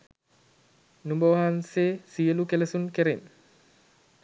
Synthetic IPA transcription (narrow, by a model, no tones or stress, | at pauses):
numbəʋɐɦansesiəlukeləsunkeɾen